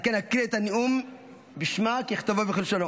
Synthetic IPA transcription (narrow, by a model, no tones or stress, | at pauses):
kenhakʁiet̪anium | biʃmakiiχt̪avubeχelʃono